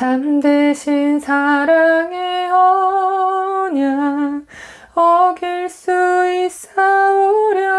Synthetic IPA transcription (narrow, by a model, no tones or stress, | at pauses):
t͡ɕamdeɕʰinsʰaɾaŋeʌ | ɲa | ʌɡiɭs͈uis͈aoɾjʌ